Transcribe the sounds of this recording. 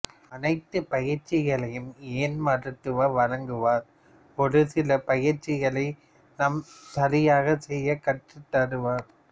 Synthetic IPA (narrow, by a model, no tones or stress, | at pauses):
ɐnɐɪt̪ːɯpɐjɪɾt͡ʃːɪɣɐɭɐjɯmeːnmɐɾɐʈ̪ːɯʋɐʋɐɻɐŋɡɯʋaːɾ | pɔðɯsɪlɐpɐjɪɾt͡ʃːɪɣɐɭɐɪ | nɐmt̪ɐlɪjaːɣɐsɛjːɐkɐʈːɯt̪ːɐɾɯʋaːɾ